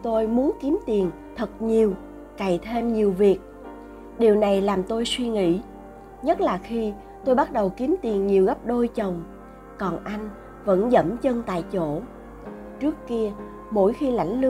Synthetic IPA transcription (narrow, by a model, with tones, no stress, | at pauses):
t̪o˧jmu˨˦ənki˨˦əmt̪i˨˩ən | t̪ʰə˨˩t̚ɲi˨˩əw | ka˨˩jt̪ʰe˧mɲi˨˩əwvi˨˩ək̚ | ɗi˨˩əwna˨˩jlaː˨˩mt̪o˧jswi˧ŋḭ˧˥ | ɲə˦˥t̚laː˨˩xi˧ | t̪o˧jɓa˦˥t̚ɗə˨˩wki˨˦mt̪i˨˩ənɲi˨˩əwɣə˦˥p̚ɗo˧jt͡ɕə˨˩wŋ͡m | kɔ˨˩nʔa˧jŋ̟ | və̰˧˥nzə̰˧˥mt͡ɕə˧nt̪a̰ː˧˨jt͡ɕo̰˧˥ | t͡ɕɨ˦˥əkki˧ə | mo̰˧˥jxi˧la̰˧˥jŋ̟lɨ˧